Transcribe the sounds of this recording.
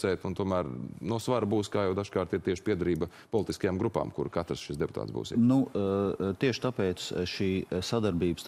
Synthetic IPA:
ɛːt̪unt̪uɔmæːɾnusʋaɾbuːskaːjɛwd̪aʒkaːɾt̪iɾt̪iɛʃpiɛd̪ɐɾiːbɐ | pɔlˠit̪iskɐjaːmɡɾupa̰ːmkṵɾkat̪ɾsʃisd̪ɛpʊt̪a̰ːt̪zbṵːsḭnu | t̪iɛʃɪ̥t̪apɛːt̪sʃiːsad̪aɾbiːbəs

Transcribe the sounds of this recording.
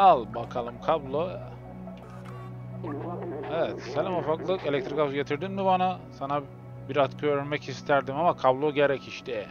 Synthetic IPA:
alˠbakʰalˠɯmkʰablˠo | evɛt̪senʲimofaklˠɯelʲɛk̚t̪ʰɾikafɟet̪ʰiɾd̪inmibanasana | biɾat̪kʰøɾɾmɛcist̪ʰæɾd̪imamakʰablˠoɟeɾɛciʃt̪ʰɛ

